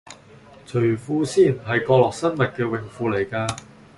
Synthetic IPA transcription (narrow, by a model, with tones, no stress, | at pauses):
t͡sʰɵ˨˩ɥfuː˧siː˥˩nɦɐ˨jkɔː˧lɔː˨ksɐ˥nmɐ˨t̚kɛː˧wɪ˨˩ŋfuː˧le˨˩jkaː˧